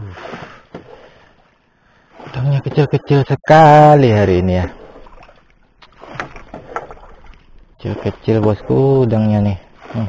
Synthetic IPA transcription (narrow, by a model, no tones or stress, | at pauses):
daŋɲakət͡ʃɪlkət͡ʃɪlsəkaliɦaɾiːnija | kət͡ʃɪ̰lkət͡ʃɪlbɔskudaŋɲanɪh